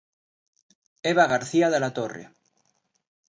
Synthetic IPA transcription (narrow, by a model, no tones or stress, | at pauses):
eβaɣaɾθiaðelat̪orḛ